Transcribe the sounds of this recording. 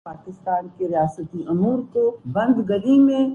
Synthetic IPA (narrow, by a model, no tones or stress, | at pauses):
aːkɪst̪aːnkeɾijaːsət̪iʔʊmuːɾkobɐ̃nd̪ɡəlimẽ